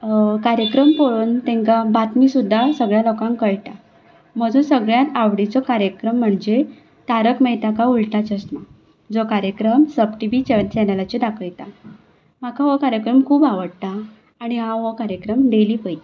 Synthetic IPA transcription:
kaɾjəkɾəmpoɭuːnt̪ɛ̃ŋkabat̪miːsud̪ʱːasəɡɭjalɔkãŋkəɭʈ̪a | m̤əd͡zuːnsəɡɭjãt̪aʋɽit͡sɔkaɾjəkɾəm̤ːəɳd͡ʑe | t̪aɾəkmɛjt̪akauɭʈ̪at͡ɕəst̪ma | d͡zokaɾjəkɾəmsəbʈiʋit͡ɕt͡ɕɛnəlat͡ɕid̪akʰjt̪a | m̤akaʋokaɾjəkɾəmkʰuːbaʋəɽt̪aː | ɽ̃iɦãʋəkaɾjəkɾəmd̪eliːpəjt̪a

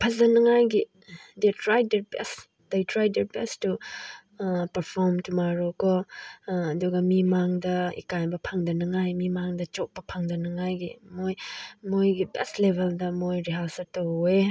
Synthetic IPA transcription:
pʰɐzɐnɐŋajɡi | detɾajdeɾbɛ̰s | dejtɾajdeɾbɛstu | pɐɾpʰɔɾmtumaɾokɔ | ɐduɡɐmimaŋdɐḭkajbɐpʰaŋdɐnɐŋajmimaŋdɐt͡ʃɔk̚pɐpʰaŋdɐnɐŋajɡimojmojɡibɛ̰slebʱeldɐmojɾiɦasɐtowe

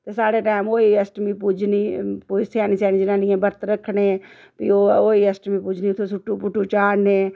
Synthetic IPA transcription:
t̪eːsaːɽeːʈaːmoːiəsʈmiːpud͡ʒniːpʊd͡ʒsjaːniːsaːniːd͡ʒɪnãːnɪːẽːbəɾt̪ɾəkʰːneː | p̪ioːoːiːəsʈmiːpʊd͡ʒʱniːt̪ʰːosʊʈːuːpʊʈːuːt͡ʃaːɽneː

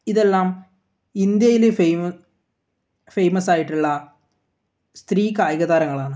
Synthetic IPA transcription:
iðe̞lːaːm | ind̪jɐjilef | fe̞jmɐsaːjiʈːuɭːɐ | st̪riːkaːjɐɣɐðaːɾɐŋːɐɭaːɳɨ

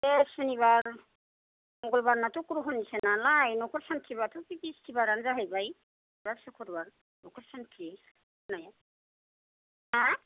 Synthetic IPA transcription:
ɛsuniβaɹ | mɔɡɔlbaɹnatukuɾuɦɔnisɛnalajnɔkʰɔɾsantʰiβatupipistʰibaɾanzaɦajbaj | basɔkʰɔɾbaɹ | nɔkʰɔɾsantʰi | naja | a

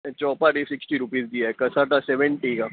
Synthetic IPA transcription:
t͡ɕɔpaɾisiksʈiɾupiːsd̪ijakəsat̪asɛʋeɳʈika

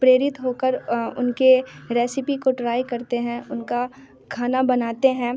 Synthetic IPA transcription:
pɾeːɾɪt̪ɦoːkəɾʊ̰nkeɾɛːsɪpikoʈɾaːjkɐɾt̪eɦɛ̃ʊnka | kʰaːnabɐnaːt̪eɦɛ̃ː

